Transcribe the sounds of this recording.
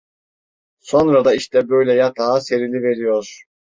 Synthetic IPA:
so̞nɾad̪aiʃt̪ʰɛbø̞jlʲɛjat̪ʰaːse̞ɾilʲive̞ɾijo̞ɾ̥

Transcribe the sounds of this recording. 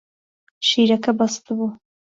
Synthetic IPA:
ʃiːɾɐkɐbɑst̪ɨbu

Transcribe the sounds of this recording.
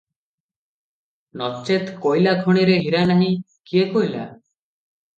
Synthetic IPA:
nɔt͡ʃet̪kojlakʰɔɽ̃iɾeɦiɾanaɦĩ | kiekojla̰

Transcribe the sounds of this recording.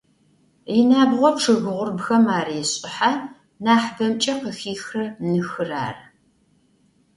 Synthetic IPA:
ɪnaːbʁʷɔpʈ͡ʂʰɨɣɨʁʷʊrbxɐmaːriɕʼɪħa | naːħbɐmt͡ʃʼɐqəxiːxrɐnɨxɨra̰ːr

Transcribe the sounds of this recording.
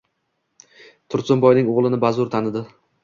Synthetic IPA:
t̪ʰʊɾsʊmbɒjnɪŋoʁlˠɪnɪbazʊɾt̪ʰanɪd̪ɪ

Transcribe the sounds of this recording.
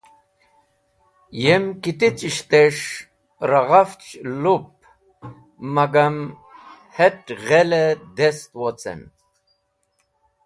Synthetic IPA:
jemkit̪it͡sʼiʃt̪eʂ | ɾaʁaft͡ʃlup̚ | mːaɡam | hɛʈʁɛlɛd̪ɛst̪wɔt͡sʼɛ̰n

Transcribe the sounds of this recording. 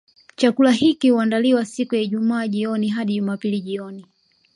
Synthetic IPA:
t͡ʃakulahikihuandaliwasikujaiʄumaːʄiɔniɦaɗiʄumaːpiliʄiɔni

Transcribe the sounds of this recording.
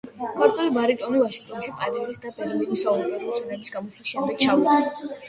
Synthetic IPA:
kʰaɾt̪ʼwɛlibaɾit̪ʼɔnivaʃiŋɡ̚t̪ʼɔnʃipʼad̪izisd̪apʼɛɾɛvinisaumɡɛɾsɛnalisɡamɔt͡ʃʰliʃɛmd̪ɛk̪t͡ʃʰav

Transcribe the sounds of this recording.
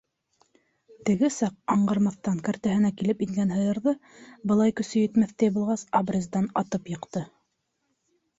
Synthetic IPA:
t̪ɘ̆ɡɘsɑqɑɴɢɑɾmɑθt̪ɑŋkæɾt̪æɦɘ̆nækilɘpiŋɡænɦɤ̆jɤ̆ɾðɤ | bɤ̆lˠɑjkɵ̆sɵ̆jɵ̆t̪mæθt̪æjbulˠʁɑsabrʲezd̪ɑnɑt̪ɤpjɤ̆qt̪ɤ

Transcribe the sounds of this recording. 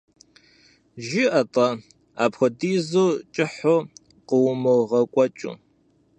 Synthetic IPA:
ʒiʔɐtʼɐ | aːpxʷɔdiːzuːt͡ʃʼɪħo | qəwʊmɨʁɐkʷʼɔt͡ʃʼṵ

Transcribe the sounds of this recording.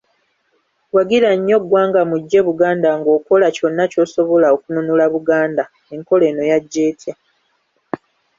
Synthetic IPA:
waɡiɾaɲːo̞ɡwaːŋɡamuɟːe̞βuɡaːndaŋɡo̞ːko̞laco̞nːaco̞ːso̞βo̞laokununulaβuɡaːnda | e̞ŋko̞le̞ːno̞jaɟːe̞ːtʰja

